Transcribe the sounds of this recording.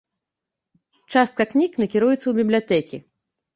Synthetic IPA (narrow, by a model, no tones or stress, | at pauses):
t͡ʂast̪̚kɐknʲiknɐkʲiɾujɛt̪sːɐwbʲiblʲat̪ɛkʲi